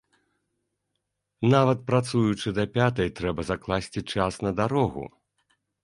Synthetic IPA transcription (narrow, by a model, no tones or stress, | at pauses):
navɐt̪̚pɾat̪sujut͡ʂɨd̪ɐpʲat̪ɐjt̪ɾɛbɐzaklˠasʲt͡sʲit͡ʂasnɐd̪aɾɔɣṵ